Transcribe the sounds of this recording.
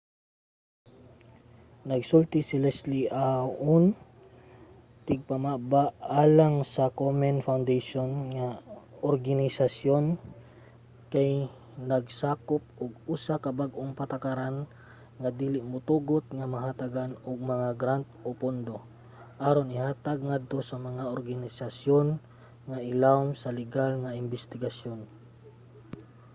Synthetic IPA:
nɐɡsult̪ɪsɪlɛsliʔaʔʊn | t̪ɪɡ̚pɐmaʔbaʔaːlaŋsɐkomɛnfawnd̪ejʃonŋaʔoɾɡanɪsasjon | kaj | nɐɡsaːkop̚ʔʊɡuːsakɐbaɡʔoŋpɐt̪akaɾan | ŋɐd̪iːlɪʔmʊt̪uːɡot̪̚ŋɐmɐɦat̪aɡanoɡ̚mɐŋaɡɾant̪̚ʔopond̪o̞ | ʔaːɾonɪhaːt̪aɡ̚ŋad̪̚t̪o̞sɐmɐŋaʔoɾɡanɪsasjon | ŋaʔɪlamsɐlɪɡalŋɐɪnbɛst̪ɪɡasjon

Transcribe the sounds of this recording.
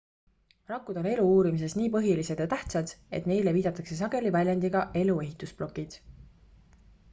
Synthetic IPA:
rɑkːud̪̥o̞ne̞luuːɾimise̞sniːpɤ̞ɦilise̞d̪̥jɑt̪æht̪sɑd̪̥e̞̰t̪ne̞jle̞viːd̪̥ɑt̪ːˑɑkse̞s̬ɑɡ̥e̞livælʲjɑnd̪iɡ̥ɑʔe̞lue̞ɦit̪ːˑusplo̞kːid̪̥

